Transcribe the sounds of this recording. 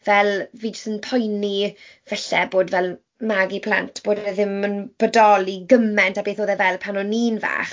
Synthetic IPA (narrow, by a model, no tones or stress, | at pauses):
vɛlˠviːd͡ʒəstənpʰɔjnivɛɬɛboːdvɛlˠ | maɡipʰl̥a̰ntʰb̥oːdəðɪmənb̥ədɔlˠiɡəmɛntabeːθoːðɛvɛlˠpʰanɔniːnva̰ːχ